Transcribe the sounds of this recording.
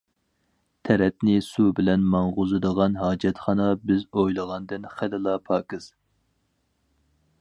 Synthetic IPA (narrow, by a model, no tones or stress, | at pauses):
t̪ʰɛɾɛt̪nɪsubɪlɛnmɑŋʁʊzɨd̪əʁɑnɦɑːd͡ʒɛt̪χɑnɑbɪzojlˠəʁɑnd̪ɨnχælɪlˠɑpʰɑːkɨz̥